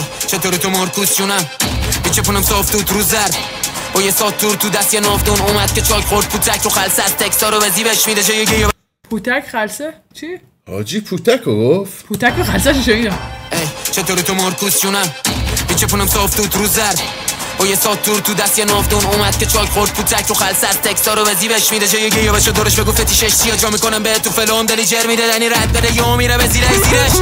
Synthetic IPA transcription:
t͡ʃʰet̪ʰoːɾet̪omoɾkʰuːsjunæet͡ʃʰefunɛmsɒːft̪ut̪ʰɾuːzæɾd̪̚ | ojesɒːt̪ʰːuːɾt̪ʰud̪æsjenɒːfd̪uːnuːmæd̪̥̚kʲet͡ʃʰɒːkχoɾd̪̥̚pʰuːt̪ʰækʰɾuxælsɛst̪ʰekʲsɒːɾovæziːbeʃmiːd̪et͡ʃɛjekejɔ | pʰut̪ʰækʰχælset͡ʃʰi | hɒ̰ːd͡ʒiːpʰut̪ʰækʰoɡoft̪pʰut̪ʰækoxælsæʃ̬eʃemid̪ɛejt͡ʃʰet̪oːɾit̪ʰomoɾkʰusjunæmmit͡ʃʰefunɛmsɒːft̪ut̪ʰɾuæɾd̪ojesɒːt̪ʰːuɾt̪ʰud̪æsjenɒːft̪unumæd̪̥kʰet͡ʃʰɒːkχoɾd̪̚pʰuːt̪ʰæc̚t̪ʰuxælsæst̪ʰeksɒɾobɛziːbeʃmiːd̪ɛd͡ʒɛjeɡejɔbɛʃed̪oɾeʃbeɡufet̪iʃeʃt̪ʰijɒːd͡ʒɒːmikonæmbeet̪ːufelomd̪ɛlid͡ʒeɾmid̪ɛd̪æniɾæd̪̚d̪ɒɾɛjeomiɾɛbeziːɾɛziːɾeʃ

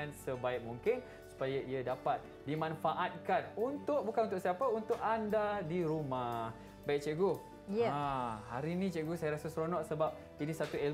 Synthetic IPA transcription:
ansəbaɪk̚muŋkɪn | su̥pajaiadapat̪̚ | dimãnfaʔat̪̚kanunt̪ʊk̚bukanunt̪ʊkʔsiapaunt̪ʊʔandadiɾumah | baɪʔ̚t͡ʃɛʔɡo | ahaɾinĩt͡ʃɛʔɡosajaɾasasɾonɔʔsəbap̚ | inisat̪uɛl

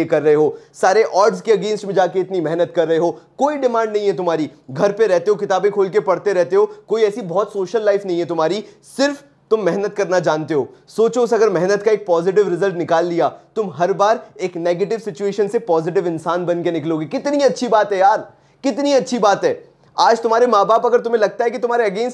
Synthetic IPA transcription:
ekɐɾːɐɦeɦoːsaːɾeʔɔːɾɖzkeɐɡẽːnsʈmẽd͡ʒaːkeɪt̪nimɛɦnət̪kɐɾːɐɦeɦoːkoːiɖɪmãːɳɖnɐɦĩɦɛt̪ʊmɦaːɾiɡʱɐɾpeɾɛɦt̪eɦokɪt̪aːbẽkʰoːlkepɐɽt̪eɾɛɦt̪eɦoːkoːiɛːsibɔɦːt̪soːʃəlːaɪfnɐɦĩɦɛt̪ʊmɦaːɾisɪɾf | t̪ʊmːɛɦnət̪̚kɐɾnad͡ʒaːnt̪eɦoːsoːt͡ʃoʊsɐɡəɾmɛɦnət̪̚kaeːk̚pɔːzɪʈ̬ɪʋɾɪzəlʈnɪkaːlːijaːt̪ʊmɦɐɾbaːɾeːkneːɡeːʈ̬ɪʋsɪt͡ʃueːʃənsepɔːzɪʈɪʋɪnsaːnbɐnkenɪkloːɡikɪt̪niɐtːʃʰibaːt̪ɦɛjaːɾ | kɪt̪niɐtːʃʰibaːt̪ɦɛː | aːd͡ʒt̪ʊmɦaːɾemaːbaːpɐɡəɾt̪ʊm̤ẽlɐɡ̚t̪aɦɛkit̪ʊm̤ɦaːɾeɐɡeːns

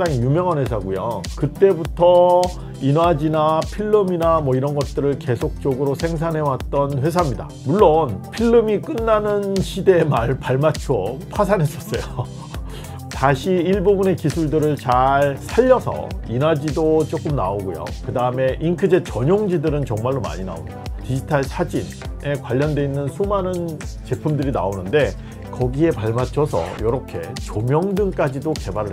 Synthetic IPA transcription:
aŋjumjʌŋanwe̞sʰaɡujokɯt͈e̞butʰʌ | inwad͡ʑinapʰiɭːɯminamwʌiɾʌnɡʌt̚t͈ɯɾɯɭke̞sʰok̚t͡ɕ͈ʌɡɯɾosʰe̞ŋs̬ʰanɦe̞wat̚t͈ʌnɸwe̞s̬ʰamɲida̰muɭːonpʰiɭːɯmik͈ɯnːanɯnɕʰide̞maɭpaɭmat͡ɕʰopʰasʰanɦe̞s͈ʌs͈ʌjo | taɕʰiːɭbubune̞kisʰuɭdɯɾɯɭt͡ɕaɭsʰaʎːʌsʰʌ̰inad͡ʑidot͡ɕ͈ok͈ɯmnaoɡujo̰kɯdaɯme̞ʔinkʰɯd͡ʑet͡ɕʌɲoŋd͡ʑidɯɾɯnt͡ɕʌŋmaɭːoma̰ɲina̰o̰ndatid͡ʑi̥tʰaɭsʰad͡ʑin | e̞kwaʎːʌndwe̞inːɯnsʰumanɯnt͡ɕe̞pʰumdɯɾina̰onɯnde̞ | kʌɡie̞paɭmat͡ɕʰʌsʰʌ̰joɾʌkʰe̞̰t͡ɕomjʌŋdɯŋk͈ad͡ʑidoke̞baɾɯɭ

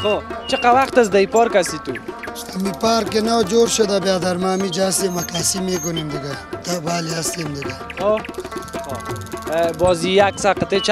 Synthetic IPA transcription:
xot͡ʃəqawaxt̪asd̪aipɔːɾkasit̪ṵst̪ɐmipaːɾkenɐwd͡ʒoːɾʃod̪abjaːd̪ɐɾmaːmid͡ʒaːst̪emɐkasimekonimd̪iɡat̪abaːliast̪emd̪iɡ̪axoxo | bɔːzijaksaqət̪et͡ʃ

